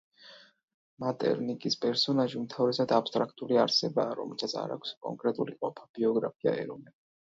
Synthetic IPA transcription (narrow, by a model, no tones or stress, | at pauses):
mat̪ʼɛ̰ɾnikʼispʼɛɾsɔnaʒiumt̪ʰavɾɛsad̪apst̪ʼɾak̚ʰt̪ʼuliaɾsɛbaːɾɔ̰mɛlˠsat̪sʰa̰ɾa̰kʷʰskʼɔ̰ŋkʼɾɛt̪ʼuliqʼɔpʰab̥iɔɡɾapʰia̰ɛ̰ɾɔnɛ